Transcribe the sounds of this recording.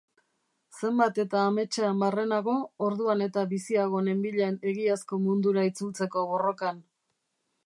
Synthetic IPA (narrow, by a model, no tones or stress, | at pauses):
se̞mbat̪e̞t̪aːme̞t͡ʃeambare̞naɣo̞oɾðuane̞t̪aβisiaɣ̞o̞ne̞mbiʎeːne̞ɣiasko̞mund̪uɾait͡sult͡se̞ko̞βo̞ro̞kan